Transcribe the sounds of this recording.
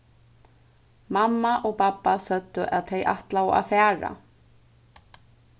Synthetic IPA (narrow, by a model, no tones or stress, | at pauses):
mamːaʔɔɣpapːasœt̪ːʏʔaðθejʔa̰ht̪lawa̰ðfɛːɾa̰